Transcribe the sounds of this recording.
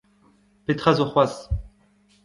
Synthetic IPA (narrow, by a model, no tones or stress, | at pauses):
pet̪χazoχwas